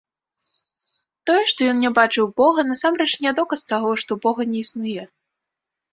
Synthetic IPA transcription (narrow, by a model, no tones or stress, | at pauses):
t̪ɔjɛʂt̪ɔjɔnnʲɛbat͡ʂɨwbɔɣɐnasamɾɛt͡ʂnʲɛd̪ɔkɐst̪aɣɔʂt̪ɔbɔɣɐnʲɛisnujɛ